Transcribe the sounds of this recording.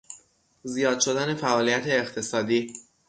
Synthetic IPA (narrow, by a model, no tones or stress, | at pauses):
zijɒːd̪̥̚ʃo̞d̪æne̞fæʔɒːlijæt̪ʰe̞ːxt̪ʰe̞sɒːd̪iː